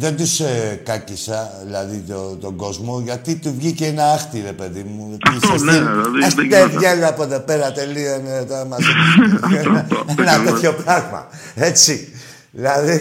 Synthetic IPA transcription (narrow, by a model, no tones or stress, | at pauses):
ðe̞nd̪uskɐcisɐðilɐðit̪ot̪o̞ɡo̞zmo̞ʝɐt̪it̪uvʝiceenɐɐxt̪iɾe̞pe̞ðimu | t̪iɐsiɐstieðʝelɐpoðope̞ɾɐt̪e̞lioenet̪oɾɐmɐzo | enɐt̪oçopɾɐɣmɐ̰e̞t͡si | ðilɐði